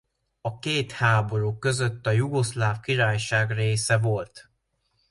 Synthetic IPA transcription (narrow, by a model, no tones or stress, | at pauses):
ɒkeːt̪haːbo̞ɾuːkːø̞zø̞t̪ːɒjuɡo̞slaːfkiɾaːjʃaːɡreːsɛvo̞lt̪